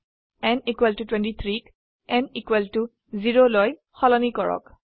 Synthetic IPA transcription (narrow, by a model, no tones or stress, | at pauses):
ɛnikwɛltutwɛ̃ntit̪ʰɹik | ɛnikwɛltu | ziɹoloj | xɔlɔnikɔɹɔ̰k